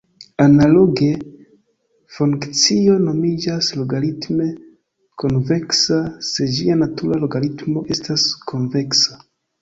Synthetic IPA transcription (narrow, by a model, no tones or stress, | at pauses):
analo̞ɡe̞ | fuŋkt͡sio̞no̞mid͡ʒaslo̞ɡalitme̞ | konve̞ksase̞d͡ʒianatuɾalo̞ɡalitmo̞ʔe̞staskʰonve̞ksa